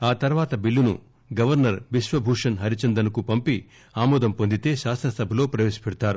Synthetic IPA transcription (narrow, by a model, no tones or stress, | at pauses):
aːt̪ɐɾʋaːt̪ɐbilːunṵ | ɡɐʋɐɾnɐɾʋiʃʋɐbʱuːʂɐnɦɐɾit͡ʃɐnd̪ɐnukupɐmpi | aːmɔːd̪ɐmpo̞nd̪it̪e̞ːʃaːst̪ɾɐsɐbʱɐlo̞ːpɾɐʋeːʃi̥pɛɽut̪aːɾu